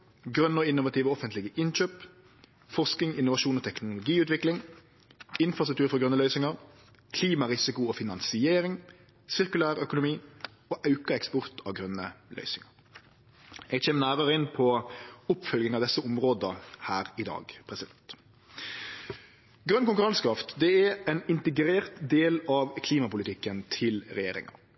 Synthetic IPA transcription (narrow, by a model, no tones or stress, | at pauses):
ɡɾœnːɔɪnːʊʋɑt̪ʰiːʋəɔfənt̪lɪɡəʔɪnc͡çøːp | fɔʁsknɪŋɪnːʊʋɑʂuːnɔːt̪ʰɛknʊlʊɡiːʉːt̪ʋɪklɪŋ | ɪnfɾʁɑst̪ʉk̚t̪ʉːɾfɔʁɡʁœnːəlœʏsɪŋəɾ | kʰliːmɑʁɪsɪkʊɔfɪnɑnsɪeːɾɪŋ | sɪʁkʉlæːʁœkʊnʊmiː | oːʔɑʉkəɛkspʊʁt̪ʰɑ̰ʋɡʁœnːə̰lœ̰ʏsɪŋɑɾ | jɛɡçeːmənæːɾəɾəɪnpʰɔʊpfœlɡɪŋɑʋd̪ɛsːəʊmʁoːd̪əhæːɾɪd̪ɑ̰ːɡpʰɾɛsɪd̪ɛnt̪ | ɡɾœnkʊŋkʉɾɑnskʰɾɑft̪d̪ɛɛɛnɪnt̪ɛɡɾeːɾt̪d̪eːlɑʋkʰliːmɑpʊlɪt̪ɪkːənt̪ʰɪlɾɛjeːɾɪ̰ŋɑ̰